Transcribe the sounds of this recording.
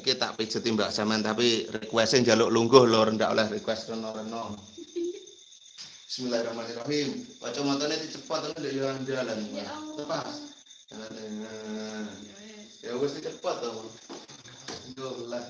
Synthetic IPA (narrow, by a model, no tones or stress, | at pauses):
ket̪a̰ʔpit͡ʃət̪imbaʔsamɛnt̪apirikwɛsteɲd͡ʒaloʔluŋɡʊhloɾəɳɖa̰ʔo̰lɛhrikwɛst̪rənɔɾənɔ | smilaiɾɔhmaniraɦimkɔt͡ʃɔmɔt̪ɔnet̪it͡ʃəpɔt̪ːɔnleʔjoaɲd͡ʒalant̪əpa | anat̪e | jawɪst̪it͡ʃəpɔt̪ːɔ | ɡolah